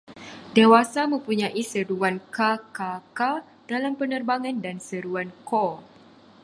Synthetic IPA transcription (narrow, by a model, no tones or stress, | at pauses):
dewasamə̃mpuɲãʔisəɾuankakaka | d̥alampənərbaŋãndansəɾuankɔ